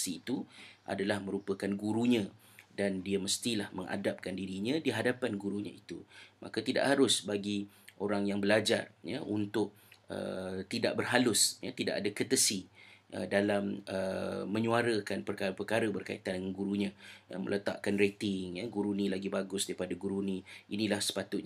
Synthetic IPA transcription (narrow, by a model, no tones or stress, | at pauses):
siːt̪uʔa̰dalahmə̃ɾupəkanɡuɾuɲã | dandiaməst̪ilahməŋa̰dap̚kandiɾiɲãdiɦadapanɡuɾuɲã̰it̪umʔa̰kat̪ida̰ʔhaɾʊsbaɡi | oɾaŋjaŋbəlad͡ʒa̰rja̰ʔunt̪ʊk̚ | ə̰t̪ida̰ʔ̚bərɦalʊsjat̪ida̰ʔadakət̪əsiə̰dalamə̰ːə̃ɲuaɾəkanpərkaɾpərkaɾəbərkaḭt̪andəŋanɡuɾuɲã̰mə̰lət̪a̰ʔkanret̪ɪŋjaɡuɾunĩlaɡibaɡʊsdaɾipadaɡuɾunĩʔinĩlahsə̥pat̪ʊt̪̚ɲ